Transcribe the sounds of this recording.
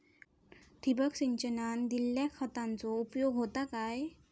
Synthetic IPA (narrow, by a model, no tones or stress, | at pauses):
t̪ʰibəksiɲt͡ɕənand̪ilːjakʰət̪ãnt͡sɔupjoɡɦot̪akaj